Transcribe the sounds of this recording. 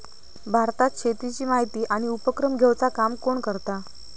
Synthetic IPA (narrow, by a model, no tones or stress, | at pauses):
bʱaɾt̪at̪̚kɕʰet̪ɾit͡ɕiːmaɦit̪iːʔaɽ̃iupəkɾəmɡʱewt͡sakamkoɳkəɾt̪a